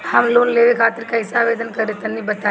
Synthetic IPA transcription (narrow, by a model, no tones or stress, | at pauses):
hɐmloːnleːʋekʰaːt̪ɪɾkɐɪsaːʋeːd̪ənkɐɾet̪ɐnĩbɐt̪a